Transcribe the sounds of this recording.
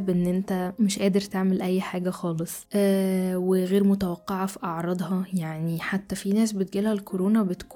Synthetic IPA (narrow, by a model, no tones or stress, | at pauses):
bʔenːʔent̪æmeʃʔæːd̪eɾt̪eʕmelʔæjːħaːɡæxɑːlesˤʔæːweɣeːɾmot̪æwɑqːɑʕɑfiʔɑʕɾˤɑd̪ˤhɑjaʕniħat̪ːæfinæːsbet̪̚ɡiːlhælkʰoɾoːnɑbet̪kː